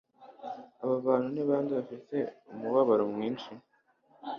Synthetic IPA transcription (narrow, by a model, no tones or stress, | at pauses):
aβaβaːn̤huniβaːndiβafite̞umuβaβaɾomŋiːnʃi